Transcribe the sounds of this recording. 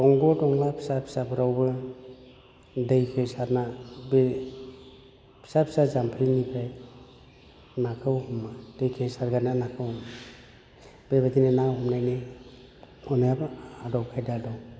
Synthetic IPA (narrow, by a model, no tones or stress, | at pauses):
ɔŋɡɔdɔŋlapʰi̥sapʰi̥sapʰɯɾawbɯ | dejkʰɯsaɾnabe | pʰi̥sapʰi̥sazampʰinipʰaj | nakʰɯwhɔmad̥ejkʰesaɾɡananakʰɯwm | b̥ebadinenahɔmnajne | ɔnajabadɔwkʰajdadɔ